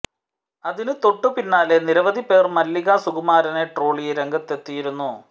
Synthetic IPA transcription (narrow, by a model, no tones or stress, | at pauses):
ɐðinɨt̪o̞ʈːɨpinːaːleniɾɐʋɐðʱipe̞ːrmɐlːiɣasuɣɐmaːɾɐneʈro̞ːɭijeɾe̞ŋɡɐt̪ːe̞t̪ːijiɾunːu